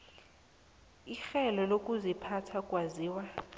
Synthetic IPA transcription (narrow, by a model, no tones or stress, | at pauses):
ixɛlɔlokʼuzipʰatʰakʼwaziːwa